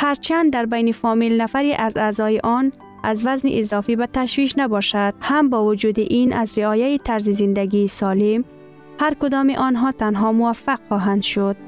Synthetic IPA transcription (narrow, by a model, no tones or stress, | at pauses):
haɾt͡ʃʰand̪ːaɾbajnifɔmilnafaɾiʔazaːzɔjiʔɔn | azvaznḭʔizɒfibat̪aʃviʃnabɔʃad̪̥̚hambɔːvud͡ʒud̪iʔinʔazɾiɒjait̪ʰaɾzizind̪aɡiːsɔlim | haɾkud̪ɔmiʔɔnɦɔt̪ʰanɦɔmuvafːaqχɔɦand̪ʃud̪̚